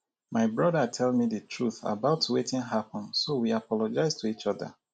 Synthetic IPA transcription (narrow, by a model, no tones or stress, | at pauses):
maɪbɹɔdətʰɛlmidətʰɹuθa̰baʊtːuwetĩnɦapɔ̃nsowiapʰɔlɔd͡ʒaɪztʰuit͡ʃɔðə̰